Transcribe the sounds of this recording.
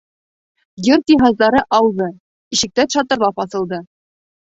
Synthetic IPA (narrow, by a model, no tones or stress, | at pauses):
jɵɾt̪iɦɑzd̪ɑɾɤʔɑwðɤ | iɕɘ̆k̚t̪æt̪ʃɑt̪ɤ̆ɾlˠɑpɑθɤ̆lˠd̪ɤ